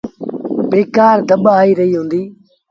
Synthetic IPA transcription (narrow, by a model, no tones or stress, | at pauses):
beːkaːɾd̪ʱəɓaːiːɾəɦiːɦũːnd̪iː